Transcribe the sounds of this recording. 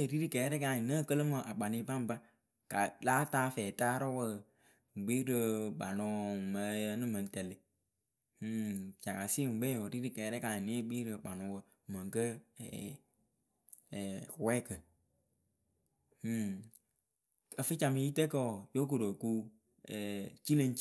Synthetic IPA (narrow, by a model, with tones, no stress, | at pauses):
ɾi˦ɾi˦kɛː˨˦ɾɛ˦ka˨nə˦˨kə˦lə˦mə˨ʔa˨k͡pa˨ni˧˦ba˦m˦ba˦ | ka˨laː˦taː˦fɛː˨taː˦ɾɔ˦wə˦˨ | ɡ͡bi˦ɾə˧ɓa˨nɔ˧˦˨mə˧˦jə˧˦nɨ˦mə˨n˦tɛ˨lɪ˨˦ | t͡ʃa˨ka˨si˦ŋ̩˨ɡ͡bɛ˦jo˨ɾi˦ɾi˦kɛː˨˦ɾɛ˦ka˨ne˦˨ɡ͡bi˦ɾə˧k͡pa˨nʊ˨˦wə˧˨mə˨ŋ˨kə˦ɛ̰˨ | wɛː˦kə˨˦ | ə˨fɨ˦t͡ʃa˨mi˧˦ji˦te˦kɔ˦˨jo˦k̬o˨ɾo˨ku˦ | ɛ˨t͡ʃi˦lə˧ŋ˦